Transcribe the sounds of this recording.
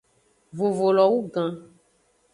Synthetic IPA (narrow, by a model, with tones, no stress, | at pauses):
vo˨vo˨lɔ˨wu˦ɡã˨